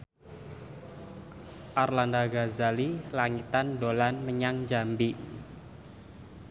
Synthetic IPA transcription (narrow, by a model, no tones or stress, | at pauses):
ʔarlandaɡazalilaŋit̪andolanməɲaŋd͡ʒambi